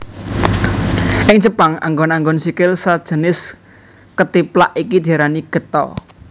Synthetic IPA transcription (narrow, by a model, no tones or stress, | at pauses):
ɪŋt͡ʃəpaŋa̰ŋɡɔnaŋɡɔnsikɪlsad̥ʒ̥ə̤nɪs | kət̪ipla̰ʔikid̪̥aɾaniɡ̥ə̤t̪ɔ̰